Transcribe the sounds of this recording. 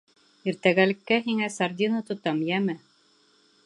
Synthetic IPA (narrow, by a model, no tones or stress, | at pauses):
iɾt̪æɡælɘ̆kːæɦiŋæsaɾd̪ʲinət̪ŏt̪ɑmjæmɘ